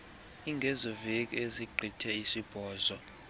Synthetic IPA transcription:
iŋɡʱɛzɔvekʼieziǃʱitʰɛisib̥ʱɔːzɔ

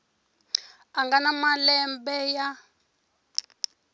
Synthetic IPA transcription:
aŋɡanamalɛmbɛja

